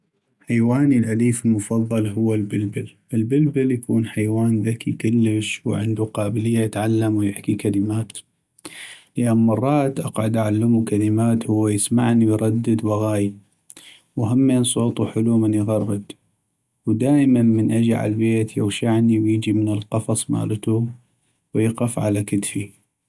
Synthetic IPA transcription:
ħajwaːnilʔaliːfɪlmʊfɑðˤːɑlɦʊwːalbɪlbɪlʔɪlbɪlbɪljakuːnħajwaːnðakʰikɪlːəʃwʕɪ̰nd̪uqɑːbɪlɪjːajɪt̪ʕalːamwjɪħkikaləmaːt̪ | lɪʔanmɑrˤːɑːt̪ʔɑqʕʊd̪ʔaʕalːamukaləmaːt̪hʊwːajɪsmaʕniwjɾˤɑd̪ːɪd̪waɣaːji | wɦamːeːnsˤoːt̪ˤuħʊlumənjɣɑrˤːɨd̪ | wd̪aːʔmanmənʔad͡ʒiʕa̰lbeːt̪ja̰wʃaʕniwjɪd͡ʒimɪnəlqɑfɑsˤma̰ːlt̪u | wjɪqɪfʕa̰lakɪt̪fi

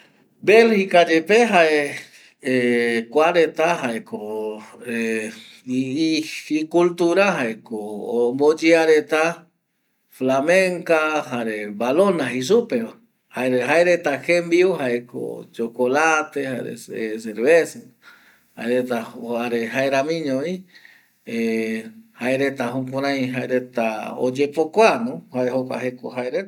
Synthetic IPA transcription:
belhikad͡ʒepeɦae | ekwaɾet̪aɦaeko | e | ikult̪uɾaɦaekombod͡ʒeaɾet̪a | flameŋkaɦaɾebalonaɦis̬upea | haeɾeɦaeɾet̪akembiuhaekʰo̰t͡ʃokolat̪ehaɾḛses̬eɾβese | ha̰eɾet̪aaɾeɦaeɾamĩɲõĩ | e | haeɾet̪aɦũkʷãɾ̃ãj̃ɦaeɾet̪ao̰d͡ʒepokʷanõhaeɦokʷa̰ɦeko̰ɦaeɾe

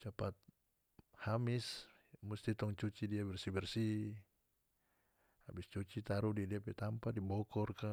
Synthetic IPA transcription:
t͡ʃapat̪̚ | hamis | must̪it̪ɔŋt͡ʃut͡ʃidiabɛrsibɛrsi | abist͡ʃut͡ʃit̪aɾudidiapɛt̪ampadibɔkɔrka

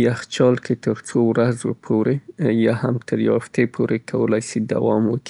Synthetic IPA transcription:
jaxt͡ʃɑlket̪əɾt͡sowɾazopʰoɾejɑhamt̪ʰəɾjɑft̪epʰoɾekʰawəlajsid̪a̰wɑmwəki̥

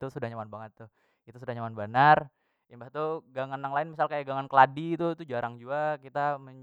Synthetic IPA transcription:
t̪usudahɲamanbaŋət̪ːʊ | it̪us̬udahɲamanbanar | imbaht̪uɡaŋanːaŋlaɪnmis̬alkajaɡaŋankəladit̪ut̪ud͡ʒaɾaŋd͡ʒuakit̪aməɲ

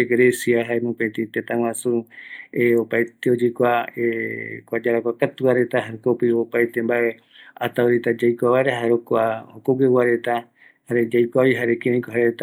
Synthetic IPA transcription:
ɡɾesiaɦaemõpẽt̪ĩt̪et̪ãw̃ãsueopajt̪eod͡ʒekʷaekʷad͡ʒaɾakʷakat̪uβaɾe̞t̪ahaɾkopiopajt̪embaʔe | at̪aoɾit̪ad͡ʒajkʷaβaeɾaɦaɾokahokoɡewaɾe̞t̪a | haɾe̞d͡ʒajkʷaβiɦaɾekeɾẽj̃koɦaɾet̪a

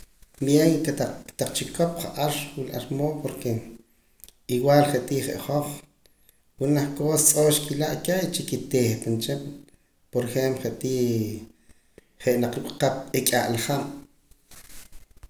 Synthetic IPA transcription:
bjeŋkeat̪aq͡χt͡ʃikʰop̚χaʔaɾwilʔa̰ɾmoːpoɾke | iwaːlχeʔt̪iːχḛʔχoχ | xunaχkoːsat͡sʼoːʃkilaʔkeit͡ʃikit̪eːxp̪ant͡ʃem | poɾexemplχeʔt̪iː | χeʔnaq͡χɾukʼqap̚ekʼaʔlaχam

